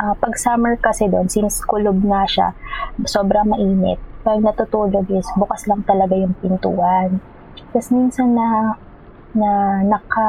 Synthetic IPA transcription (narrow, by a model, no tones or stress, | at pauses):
ʔɐpɐɡ̚samɛɹkɐsɛd̪o̞nsɪnskʊlob̚ŋɐʃa̰soːbɾɐmɐʔiːnɛ̰t̪̚pɐɡ̚nɐt̪ʊt̪uːloɡʔɪsbuːkɐslɐŋt̪ɐlɐɡajʊŋpɪnt̪ṵːhɐn | t̪ɐsminsɐnːɐ | nɐnɐkɐ